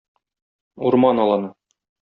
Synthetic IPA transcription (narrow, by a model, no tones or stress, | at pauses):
uɾmɑnɒlˠɑnɤ